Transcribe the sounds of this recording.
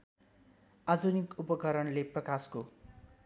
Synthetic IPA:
ad̪ʱunikupʌkʌɾʌnleprʌkasko

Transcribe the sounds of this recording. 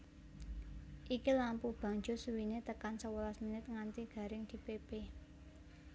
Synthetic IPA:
ʔikilampub̥a̤ŋd͡ʒo̤suwinet̪əkansəwəlasminɪt̪̚ŋant̪iɡ̥ä̤ɾɪŋd̪̥i̤pepe

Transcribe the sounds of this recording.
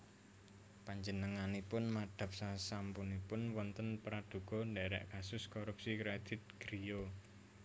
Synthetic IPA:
paɲd͡ʒənəŋanipʊnmad̪̥ä̤p̚sasampunipʊnwɔnt̪ənpɾad̪̥ṳɡ̥ɔ̤nɖɛɾɛ̰ʔkasʊskɔɾup̚sikɾed̪̥ɪ̤t̪̚ɡ̥ɾijo

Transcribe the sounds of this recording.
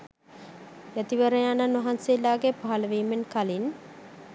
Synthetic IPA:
jæt̪iʋəɾəjananʋɐɦanseːlːaːɡepaɦaləʋiːmenkalin

